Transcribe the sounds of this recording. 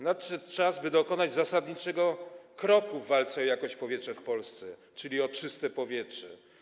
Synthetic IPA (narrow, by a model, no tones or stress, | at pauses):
natʂɛt̪t͡ʂazbɘd̪ɔkɔnad͡ʑzasad̪ɲit͡ʂɛɡɔkɾɔkuvːalt̪sɛɔjakɔɕt͡ɕpɔvjɛtʂɛfpɔlst̪sɛ | t͡ʂɘlʲiɔt͡ʂɘst̪ɛpɔvʲjɛtt͡ʂʂɛ